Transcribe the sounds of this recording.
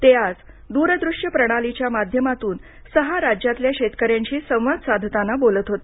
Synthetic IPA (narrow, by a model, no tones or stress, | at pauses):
t̪ead͡z | d̪uɾəd̪ɾuʂjəpɾəɽ̃alit͡ɕjamad̪ʱjəmat̪uːn | səɦaɾad͡ʑjat̪ljaɕet̪kəɾjaɲt͡ɕiːsə̃w̃ʋad̪sad̪ʱt̪anabolət̪ɦot̪e̥